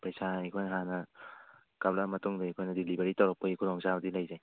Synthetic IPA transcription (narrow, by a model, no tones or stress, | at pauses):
pɾajsaikʰɔjnɦanɐ | kablamɐtuŋdaikʰɔjnɐdilibeɾitɔwɾɔk̚pːɔikʰuɾɔŋsabɐdilajzaj